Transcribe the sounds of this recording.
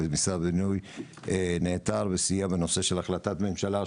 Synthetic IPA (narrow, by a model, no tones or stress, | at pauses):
emisabinuj | neːt̪aʁvesijabeno̞se̞ʃe̞laχlat̪at̪me̞mʃala